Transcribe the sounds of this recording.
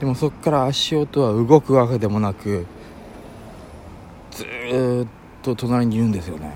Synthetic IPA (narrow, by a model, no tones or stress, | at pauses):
d̪̥e̞mo̞so̞kːaɾaːɕio̞t̪o̞βaɯ̟ɡo̞kɯ̟βaked̪e̞mo̞nakɯ̟ | d͡z̥ɨtt̪ːo̞t̪o̞naɾʲiɲ̟iɯ̟̃nd̪e̞sɨjo̞̰ne̞̰